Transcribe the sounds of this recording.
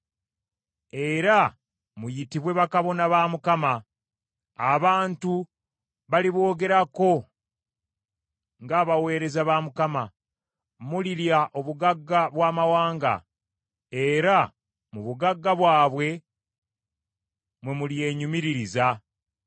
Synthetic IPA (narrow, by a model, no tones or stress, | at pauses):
e̞ɾa | mujitiβwe̞βakaβo̞naβaːmukamaː | βaːntu | βaliβwo̞ːɡe̞ɾako̞ | ŋɡaːβawe̞ːɾe̞zaβaːmukama | muliɾjaʔo̞βuɡaɡːaβwaːmawaːŋɡa̰ | e̞ɾa | muβuɡaɡːaβwaːβwe̞ | mwe̞mulije̞ːɲumiɾiɾiza